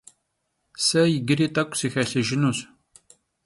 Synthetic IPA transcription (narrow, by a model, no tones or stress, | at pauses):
sɐjɡɨɾiːt̪ʼɐkʷʼsixɐɬɨʒɪnus